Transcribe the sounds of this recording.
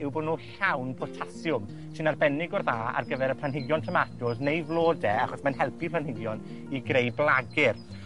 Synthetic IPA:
ɪwboːdnuːɬawnpʰɔtʰasjʊm | sɨnarbɛnɪɡɔrðaːa̰rɡəvɛɾəpʰlˠanɦɪɡjɔntʰəmadʊdnejvlˠoːdɛaχɔsmanhɛlˠpʰipʰl̥ˠanhɪɡjɔn | iɡrejblˠaɡɪr

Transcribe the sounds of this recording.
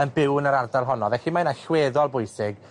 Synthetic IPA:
ənbɪwnəɾardalˠɦɔnɔvɛɬimanaɬweːðɔlˠbʊjsɪɡ

